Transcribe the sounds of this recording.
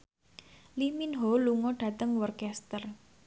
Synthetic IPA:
liminɦɔluŋɔɖ̥ä̤t̪əŋwɔrkɛst̪ər

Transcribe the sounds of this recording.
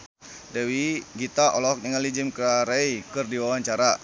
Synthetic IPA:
dɛwiɡit̪aʔɔlɔɔk̚nəŋalid͡ʒɪmkɾaɾeikɨrdiwawaɲt͡ʃaɾa

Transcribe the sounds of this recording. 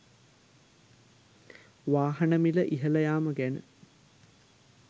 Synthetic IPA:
ʋaːɦɐnɐmiləʔiɦɐlɐjaːməɡænə̰

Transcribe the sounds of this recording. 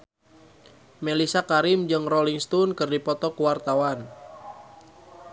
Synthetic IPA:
melisakaɾimd͡ʒɨŋrɔliŋst̪unkɨrdipɔt̪ɔkuwart̪awan

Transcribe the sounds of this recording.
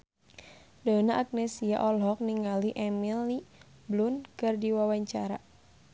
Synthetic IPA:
dɔnaʔːk̚nɛsia̰ʔɔlɦɔk̚niŋaliʔɛmilni | blunkɨrdiwawaɲt͡ʃaɾa

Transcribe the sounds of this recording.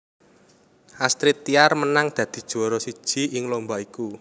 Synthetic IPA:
ʔast̪ɾɪt̪ːiarmənaŋd̪̥ä̤d̪̥i̤d̥ʒ̥o̤ɾɔsid̥ʒ̥i̤ɪŋlombaiku

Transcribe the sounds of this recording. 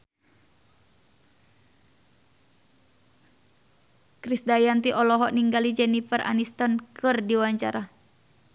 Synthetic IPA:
kɾisdajant̪iʔɔlɔɦɔʔniŋɡalid͡ʒɛnifərʔa̰nist̪ɔnkʰɨrdiwaɲt͡ʃaɾa

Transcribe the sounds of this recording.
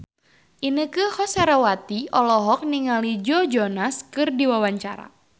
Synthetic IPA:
ʔinəkɨhɔsaɾawat̪iɔlɔɦɔk̚niŋalid͡ʒɔd͡ʒɔnaskɨrdiwawaɲt͡ʃaɾa̰

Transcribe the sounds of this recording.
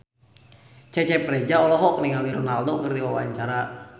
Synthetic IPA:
t͡ʃɛt͡ʃɛpɾed͡ʒaɔlɔɦɔk̚niŋaliɾɔnald̪okərd̪iwawaɲt͡ʃaɾa

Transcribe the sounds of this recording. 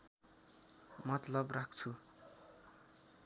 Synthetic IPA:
mʌt̪lʌbrak̚ʰt͡sʰu

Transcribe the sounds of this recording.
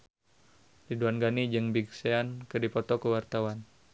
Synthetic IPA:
liduanɡanid͡ʒɨŋbiɡseankɨdipɔt̪ɔkəwart̪awan

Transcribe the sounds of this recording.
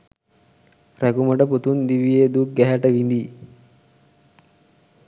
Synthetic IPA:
ɾæɡuməʈəput̪und̪iʋijed̪uk̚ɡæɦæʈəʋind̪i

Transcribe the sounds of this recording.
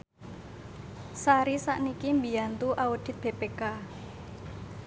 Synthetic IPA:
saɾisa̰ʔnikimbiant̪uʔaud̪̥ɪ̤t̪̚b̥epeka

